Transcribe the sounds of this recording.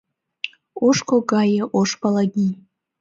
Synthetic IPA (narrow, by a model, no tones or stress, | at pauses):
oʂkʰʷoɡajeʔoʂpʰʼalaɡʲi